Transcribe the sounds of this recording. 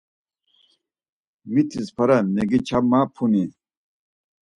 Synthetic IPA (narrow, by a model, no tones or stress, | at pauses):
wit̪ʰispʰɐɾɐneɡit͡ɕʰɐmaːpʰuni